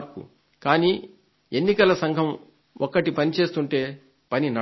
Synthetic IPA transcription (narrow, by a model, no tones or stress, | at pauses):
ɾkṵ | kaːniː | enːikɐlɐsɐŋɡʱɐm | ɔkːɐʈipɐnit͡ʃe̞ːst̪uɳʈe̞ː | pɐninɐ